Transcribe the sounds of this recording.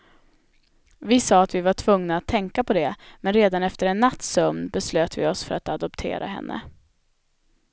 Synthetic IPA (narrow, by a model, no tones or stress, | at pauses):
vɪsɑːat̪vɪvaʈʰvɵŋnaːt̪ʰːɛŋkapʰɔd̪ɛmɛnɾeːd̪anɛft̪əɾɛnːat̪ːsœmnbɛsløːt̪vɪ̰ɔsfœɾat̪ad̪ɔpt̪ʰḛːɾʔa̰ɦɛ̰nːʔə̰